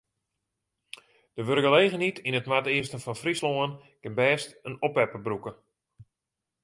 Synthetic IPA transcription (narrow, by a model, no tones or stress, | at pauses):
d̥əʋørɡəleːɣənitinətmatɪəstənfɔnfrisloən | kɪnbɛːstənɔpɛpəbrukə